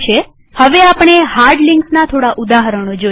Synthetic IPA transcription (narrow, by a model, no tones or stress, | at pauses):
t͡ʃʰe | həʋeapəɳ̃eɦaɾɖlɪŋksnat̪ʰoɽaʔud̪aɦəɾəɳ̃od͡ʒo